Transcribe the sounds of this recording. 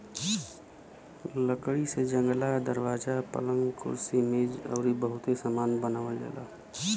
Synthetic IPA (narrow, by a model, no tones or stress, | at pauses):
ləkɽised͡ʒə̃ŋɡlad̪əɾwaːd͡ʒapə̰lə̃ŋɡkʰʊ̰ɾsimeːd͡ʒə̰ːɾibəɦʊt̪esaːmaːnbənaːʋəld͡ʒa̰ːla̰ː